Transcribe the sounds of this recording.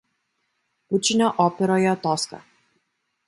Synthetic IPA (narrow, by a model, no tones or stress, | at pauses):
ut͡ʃinʲɔʔɔpɛɾɔjɛɔt̪ɔska̰